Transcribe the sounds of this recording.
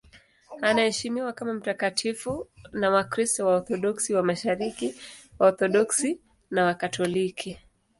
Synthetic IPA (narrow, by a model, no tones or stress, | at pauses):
anahɛʃimiwakamam̩takatʰifunawakɾistɔwaɔθɔɗɔksiwamaʃaɾikiwaɔθɔɗɔksi | nawakatʰɔlikʰi